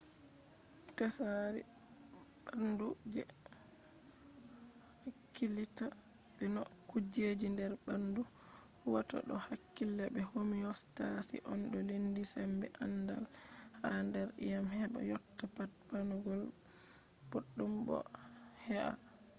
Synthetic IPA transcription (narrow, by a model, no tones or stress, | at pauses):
kasaɾḭ | anduɡɛ | hakːilita | binɔ | kud͡ʒed͡ʒindɛɾbanduhuwatɔ̰ɗɔhakːilːɛbɛhomiɔstasḭʔɔnɗɔlindisɛmbɛ̰ʔanːda̰l | handɛɾḭjamhɛɗɔ̰jɔtːapat̚panuɡɔl | boɗːumbɔ̰ | hɛʔa̰